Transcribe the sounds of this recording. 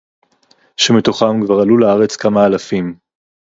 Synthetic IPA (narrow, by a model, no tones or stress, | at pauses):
ʃemit̪o̞χamkvaʁalulaaʁet͡skamaːlafim